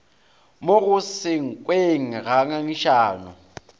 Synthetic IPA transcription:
moɣʊsɪŋ̩kʼweŋ̩ɣaŋaŋiʃaːnʊ

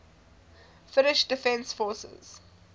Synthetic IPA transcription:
fɪnɪʃd̥ɪfɛ̃nsfɔːˑsə̰z̥

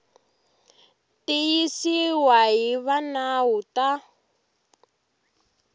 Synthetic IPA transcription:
tijisiwaɦiβanaɦuta

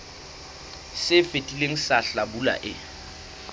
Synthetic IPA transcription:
sɪfetʼileŋ̩saɬabula̰ʔɪ

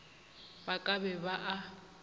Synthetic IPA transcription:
bakʼabɛbaʔa

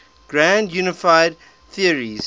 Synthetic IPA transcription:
ɡ̥ɹæ̃ndjunɪfaɪd̚ | θiəɹiz̥

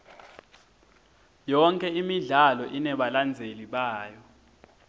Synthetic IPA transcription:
jɔŋkʼɛimiɮalɔʔinɛɓaland͡zʱeliɓaːjɔ

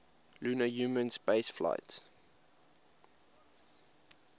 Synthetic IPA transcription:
lunəjumə̃nspeɪsfla̰ɪts

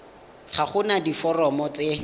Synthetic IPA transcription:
χaχʊnadifɔrɔmɔt͡se

